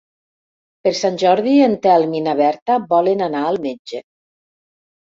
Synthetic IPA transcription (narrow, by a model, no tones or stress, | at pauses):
peɾsanʲʒɔɾðient̪ɛalˠminaβɛɾt̪abɔlenanaəlˠmed͡ʒe